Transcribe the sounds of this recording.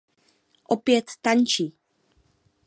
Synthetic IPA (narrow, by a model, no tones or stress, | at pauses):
ʔopjɛt̪ːaɲt͡ʃiː